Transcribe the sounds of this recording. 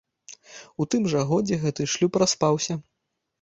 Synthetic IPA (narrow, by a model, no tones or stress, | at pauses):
ut̪ɨmʐɐɣɔd͡zʲɛɣɛt̪ɨʂlʲupɾaspawsʲɐ